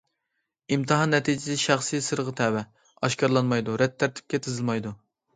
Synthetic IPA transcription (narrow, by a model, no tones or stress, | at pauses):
imt̪ʰɨɦɑnːɛt̪ʰid͡ʒɪsɪʃɑχsɨjsɨɾʁɨt̪ʰɛwɛ | ɑʃkɑɾlˠɑnmɑjd̪uɾɛt̪ʰːæɾt̪ʰɪ̥p̚kʲɛt̪ʰɨzɨlˠmɑjd̪u